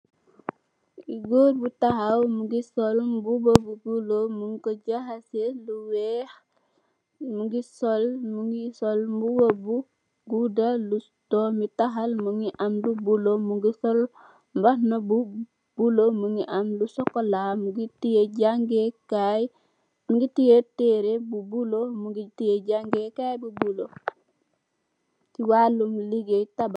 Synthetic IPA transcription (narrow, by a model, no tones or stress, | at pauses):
iɡoːɾbutaɦawmuɡisɔlmbubɐbuɡulomuŋkoɟaɦaseluwɛx | muɡisɔlmuŋɡisɔlmbubɐbu | ɡudalu | tɔːmitaɦalmuŋiʔɐmlubulomuŋɡisɔl | mbahnabu | b̥ulomuŋɡiʔamlusɔkolamuɡitijeɟaŋɡekaj | muŋɡitijeteɾebubulomuɡitijeɟaŋɡekajbubulo | kiwalumliɡetab